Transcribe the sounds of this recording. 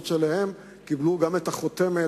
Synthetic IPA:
t̪ʃelahe̞m | kibluɡame̞t̪aχot̪eme

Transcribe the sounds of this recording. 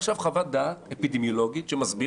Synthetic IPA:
ʃavχavad̪aːtepid̪emjolo̞ɡit̪ʃemazbi

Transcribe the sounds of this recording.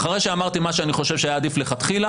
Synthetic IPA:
χaʁejʃeamaʁt̪imaʃeaniχo̞ʃevʃeajaːd̪ifleχat̪χila

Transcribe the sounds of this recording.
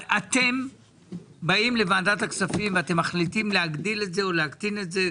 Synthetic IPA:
at̪e̞m | baimlevaːdataksafimveate̞mːaχlitimleaɡdile̞tze̞oleakt̪ine̞tze̞

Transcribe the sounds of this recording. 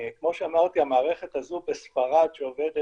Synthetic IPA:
kmo̞ʃeamaʁt̪iamaːʁeχet̪hazubesfaʁadʃeoved̪

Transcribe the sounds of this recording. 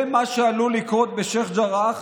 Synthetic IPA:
maʃealulikʁot̪̚beʃeχd͡ʒaʁaχ

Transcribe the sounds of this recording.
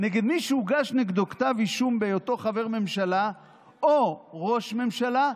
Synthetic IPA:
neɡed̪miʃuuɡaʃneɡd̪okt̪aviʃumbejot̪o̞χave̞ʁme̞mʃala | oʁo̞ʃme̞mʃala

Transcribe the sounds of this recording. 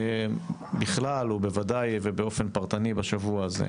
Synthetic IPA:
biχlalube̞vadajvebeo̞fe̞npaʁt̪anibaʃavuaːzḛ

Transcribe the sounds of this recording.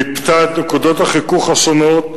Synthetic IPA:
ipt̪at̪nekud̪ot̪haχikuχasonot

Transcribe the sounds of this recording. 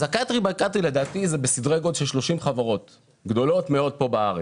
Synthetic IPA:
zakatʁibajkat̪ʁile̞d̪aːt̪izebesid̪ʁeɡodʃelʃlo̞ʃimχavaʁo̞t̪ | ɡd̪o̞lo̞tmeo̞d̪̚po̞baaʁe

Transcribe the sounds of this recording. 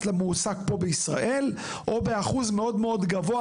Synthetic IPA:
tlemusaɡ̚po̞beisʁa̰ʔe̞l | ʔo̞be̞aχuzme̞o̞dmeo̞dɡavo̞a

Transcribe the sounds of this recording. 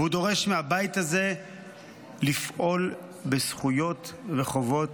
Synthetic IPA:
hud̪o̞ʁe̞ʃmeabajit̪aze̞ | lifʔo̞l | besχujo̞t̪ʁeχo̞vo̞t

